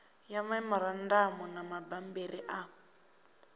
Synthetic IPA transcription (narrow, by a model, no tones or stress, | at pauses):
jamaimɔɾan̩damɔnamabam̩beriʔa